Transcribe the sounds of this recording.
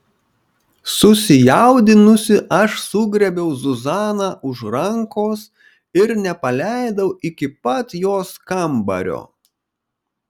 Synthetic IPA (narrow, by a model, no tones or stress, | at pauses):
sʊsʲɪjɛʊd̪ʲɪnʊsʲɪʔɐʃsʊɡɾʲɛbʲɛʊzʊzɑːnɑːʔʊʃɾɐŋkoːs | ɪɾnʲɛpɐlʲæɪd̪ɐʊʔɪkʲɪpɐt̪joːskɐmbɐ̰ɾʲo̰ː